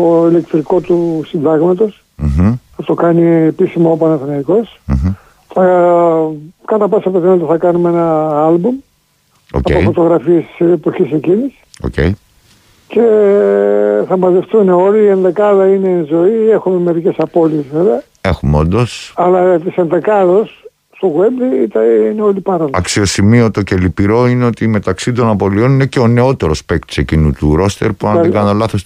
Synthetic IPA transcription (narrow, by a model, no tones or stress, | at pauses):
oile̞kt̪ɾiko̞t̪usind̪ɐɣmɐt̪o̞s | θɐt̪okɐniepisimɐopɐnɐfθinɐiko̞s | θɐ | kɐt̪ɐposoɐpot̪inɐlit̪θɐkɐnumeenɐɐlbum | o̰ɐpofo̞t̪o̞ɣɾɐfiesseːpo̞çiseɲɟinisi̥o̰cḛi | ce̞ | θɐmɐze̞ft̪uneo̞liːenðekɐðɐine̞nzo̞iexume̞me̞ɾicesɐpo̞liezveveɐ | e̞xumeo̞nd̪o̞sɐlɐt̪isenðekɐðos | st̪oɣuembðit̪ineo̞lipɐɾɐlɐksio̞simiot̪ocelipiɾo̞ineo̞t̪ime̞t̪ɐksit̪̬o̞nɐpo̞lio̞nine̞ceo̞ne̞o̞t̪e̞ɾo̞spek̚t̪i̥se̞cinut̪uɾo̞st̪e̞ɾpuɐikɐnt̪olɐθos